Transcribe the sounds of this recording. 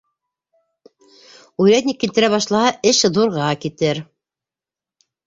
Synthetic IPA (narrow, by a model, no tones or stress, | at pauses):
ujɾæt̪nʲikːilt̪ɘ̆ɾæβɑʃlˠɑhɑʔɘʃðuɾʁɑkit̪ɘɾ